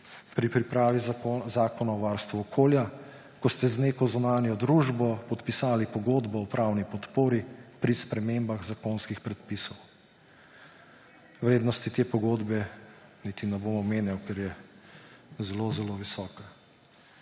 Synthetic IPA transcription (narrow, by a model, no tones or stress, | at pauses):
pɾipɾipɾaːʋizaːkɔnaɔʋaɾst̪ʋuɔkʰoːlja | kɔst̪ɛzneːkɔzunaːnjɔd̪ɾuːʒbɔpɔt̪pisaːlipɔɡoːd̪bɔɔpɾaːwnipɔt̪poːɾipɾispɾɛmembaɣzakonskixpɾɛt̪̚pisɔw | ʋɾeːd̪nɔst̪it̪eːpɔɡoːd̪bɛnit̪inɛbomɔmeːnjawkɛɾjɛ | zɛlozɛloʋisɔːka